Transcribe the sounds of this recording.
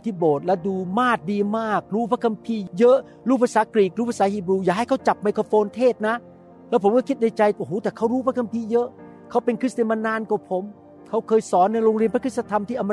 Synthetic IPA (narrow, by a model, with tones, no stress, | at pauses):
t̪ʰiː˥˩boː˨˩t̪̚lɛ˦˥duː˧maː˥˩t̪̚diː˧maː˥˩k̚ɾuː˦˥pʰa˦˥kʰa˧mpʰiː˧jɤ˦˥ʔ | ɾuː˥˩pʰa˧saː˨˩˦kɾiː˨˩k̚ɾuː˦˥˩pʰa˧saː˨˦hiː˧˩bɾuː˧jaː˨˩kha˥˩jkʰa˦˥wt͡ɕa˨˩p̚ma˧jkʰo˧foː˧nt̪ʰeː˥˩t̪̚na˦˥ | lɛː˦˥pʰo˩˦kɔ˥˩kʰi˦˥t̪̚na˧jt͡ɕa˧jhoː˨˦t̪ɛː˨˩kʰa˦˥wɾuː˦˥pʰa˦˥kʰa˧mpʰiː˧jɤ˦˥ʔ | kʰa˦˥wpe˧nkʰɯ˦˥˩t̪a˧˩ma˧nːaː˧nkaː˨˩pʰo˩˦m | kʰa˦˥wkʰɤː˧jsɔː˩˦nːa˧jɾoː˧ŋɾi˧ənpʰa˦˥kʰɯ˥˩sa˧t̪ʰa˧mt̪ʰiː˥˩ʔa˧m˧